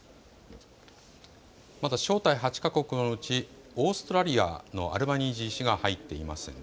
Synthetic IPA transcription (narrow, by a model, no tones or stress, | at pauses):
mat̪aɕo̞ːt̪aiɦat͡ɕi̥kako̞kɯ̟no̞ɯ̟t͡ɕi | o̞ːsɨ̥t̪o̞ɾaɾʲia̰no̞̰ʔa̰ɾɯ̟baɲ̟iːʑiɕiɡahait̪ːe̞ima̰sɨ̰